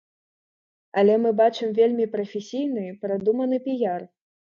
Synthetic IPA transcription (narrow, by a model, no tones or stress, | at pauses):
ɐlʲɛmɨbat͡ʂɨmvʲelʲmʲipɾɐfʲesʲijn̪ɨpɾad̪umɐnɨpʲijar